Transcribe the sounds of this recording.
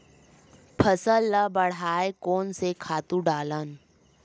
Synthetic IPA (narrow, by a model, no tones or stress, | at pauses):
pʰəsəlːəbəɽ̤aːekoːnsekʰaːt̪ũɖaːlən